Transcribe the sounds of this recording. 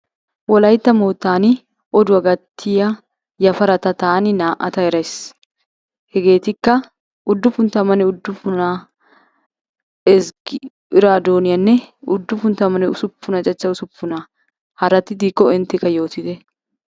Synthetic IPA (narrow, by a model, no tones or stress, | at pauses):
wɔlɐjt̪ːɐmoːt̪ːaːnɪ | ʔɔd̪ʊɐɡɐt̪ʰːɪjɐ | jɐfɐɾɐt̪ɐt̪aːnɪnaːʔɐ̰t̪ɐɛɾɐjs | hɛɡe̞ːt̪ɪkːɐ | ʔʊd̪ːʊfʊnt̪ɐmɐnɛʊd̪ːʊfʊna | ɛzɡɪ | ɪɾaːd̪o̞ːnɪjɐnːɛʊd̪ːʊfʊnt̪ɐmɐnɛʊsʊpːʊnɐt͡ʃʼɐt͡ʃːɐʊsʊpːʊnɐ | hɐɾɐt̪ːɪd̪iːkːɔɛnt̪ːɛkːɐjo̞ːt̪ɪd̪ɛ